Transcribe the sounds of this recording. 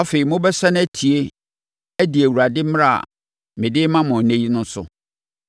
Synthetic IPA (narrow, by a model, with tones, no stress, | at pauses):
a˦fe˨ɾi˨mʊ̃˦bɛ˦sa˦ñ˦æ˦tʰi˨e˦ | æ˦di˨æ˨wu˨ɾa˨dɪ˦m˦ɾa˦˨a̰˨ | mɪ̃˨dɪ˦mã˦mʊ̃˨nẽ˦ji˦nʊ̃˦n˦sʊ̰˨